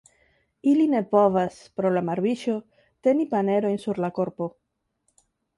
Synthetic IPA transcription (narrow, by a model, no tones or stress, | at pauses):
iline̞povas | pɾo̞lamaɾbiʃo | t̪e̞nipane̞ɾo̞jnsuɾlakoɾpo̞